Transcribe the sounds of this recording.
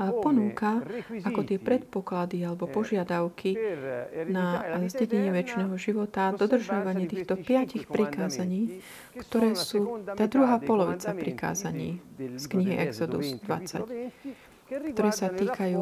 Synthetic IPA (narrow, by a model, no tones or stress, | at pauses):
apɔnuːkaakɔt̪ɪɛpɾɛt̪̚pɔklad̪ialɛbɔpɔʒɪad̪aʊkʰi | nazɟɛɟɛɲɪɛʋɛt͡ʃnɛːɦɔʒiʋɔt̪ad̪ɔd̪r̩ʒɪaʋaɲɪɛt̪iːxt̪ɔpɪacixpɾikaːzaɲiː | kt̪ɔɾɛːsuːt̪aːd̪ɾuɦaːpɔlɔʋḭt͡sapɾika̰ːzaɲḭːskɲiɦiʔɛɡzɔd̪ṵzd̪ʋa̰t͡sa̰c | kt̪ɔɾɛːsat̪iːkajuː